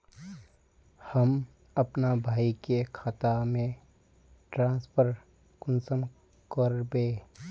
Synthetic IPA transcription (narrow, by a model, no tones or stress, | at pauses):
həm | ɐpnabʱaːikekʰaːt̪amẽ | ʈɾãːnspʰəɾ | kʊnsəm | kəɾbeː